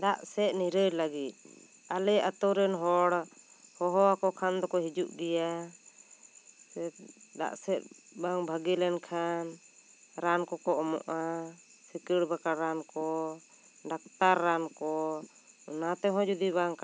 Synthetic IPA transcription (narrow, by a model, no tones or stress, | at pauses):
d̪aʔsɛʔ̪niɾəɾlaɡit̪̚ˀ | alɛʔat̪ɔɾɛnɦɔɽhɔɦɔakɔkʰand̪ɔkɔɦid͡ʒuʔɖija | ɛd̪a̰ʔsɛʔ̚baŋbʱaɡilɛnkʰan | ɾankɔkɔɔmɔ̰ʔa | sikəɽbakaɽɾankɔ | ɖak̚t̪aɾːankɔ | nat̪ɛɦɔ̃d͡ʒud̪ibaŋka